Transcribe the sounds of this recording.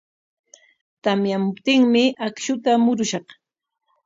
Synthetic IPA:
t̪amjamʊpt̪ɪŋmɪʔakʃʊt̪amʊɾʊʃɑχ

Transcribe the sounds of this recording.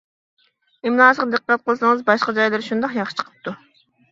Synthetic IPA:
ɪmlˠɑːʃʁqd̪əqːɑt̪̚qʰəlˠsɨŋəzbɑʃqɑd͡ʒɑjlɨɾʃund̪ɑqjɑʃɨ̥t͡ʃʰqʰə̥p̚t̪ʰu

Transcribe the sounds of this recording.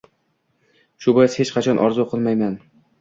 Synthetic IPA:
ʃʊbɒjɪshet͡ʃqʰɑt͡ʃʰɒnʔɒɾzʊqʰɨlˠmajman

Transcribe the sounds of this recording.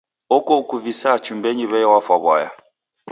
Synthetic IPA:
ɔkɔkuvisat͡ʃumbɛɲiβɛjɔwafwaβwa̰ja̰

